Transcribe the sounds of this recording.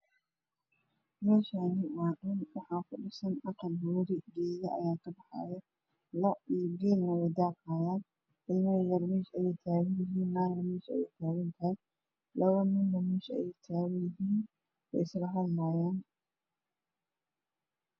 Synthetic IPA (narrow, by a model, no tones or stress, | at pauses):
mɛːʃaːniwaːɗʊnwɑħɑːkʰʊɗɪsɐnɐqɑlbuːɾiɡɛːjɐʔɐ̰jaːkʰɐbɑħɑ̰ːjɛ | lɔiːɡɛːlnɐwɛjd̪aːqaːjaːn | ʔɪlmɐjɐlmɛːʃɐjɛjt̪ʰaːɣɐnjɪɦiːnːaːɣɐmɛːʃɛ̰jɛjt̪ʰaːɣɐnt̪ʰɐhɪj | lɐwɐmɪnnɐmɛːʃɛ̰jɛjt̪ʰaːɣɐjɪɦiːn | wɛ̰jɪslɐɦɐdlaːjaːn